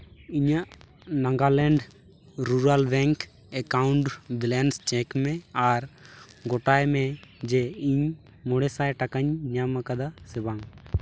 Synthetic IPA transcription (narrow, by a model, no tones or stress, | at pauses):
iɲaʔ | naŋɡalɛɳɖ | ɾuɾalbɛŋk | ɛkaʊɳɖbilɛnst͡ʃɛkmɛaɾɡɔʈajmɛd͡ʒeiɲ | mɔɽɛsajʈakaɲɲamakad̪asɛbaŋ